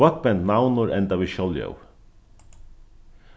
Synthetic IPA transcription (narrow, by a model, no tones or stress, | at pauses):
ɔt̪̚bɛnnawnʊɾɛnt̪aʋiːʃɔljœ̰w